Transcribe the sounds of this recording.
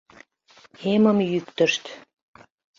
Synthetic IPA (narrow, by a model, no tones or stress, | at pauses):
eməmjykt̪ə̆ʃt̪